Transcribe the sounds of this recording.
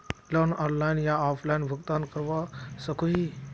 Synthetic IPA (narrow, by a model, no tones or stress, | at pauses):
ləɾnɔːnlainjaaːfʰlainbʱəɡt̪ankəɾʋasəkʰoɦi